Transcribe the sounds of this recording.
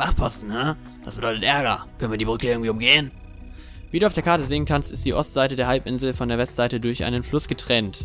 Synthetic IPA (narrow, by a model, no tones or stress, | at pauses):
v̥aχpʰɔsn̩ha | d̥asb̥ədɔʏtətʔɛɐɡɐ̰kʰœnviːɐdibʁʏkəɪɐɡŋ̩tv̥iːʊmɡeːən | viːduːaʊfd̥eɐkʰaɐtəzeːənkʰanstɪst̚d̥iːʔɔstz̥aɪtədeːɐɦalpʔɪnzl̩fɔndeːɐvɛstz̥aɪtədʊɐçʔa̰ɪnənflʊsɡ̥ətʁ̥ɛnt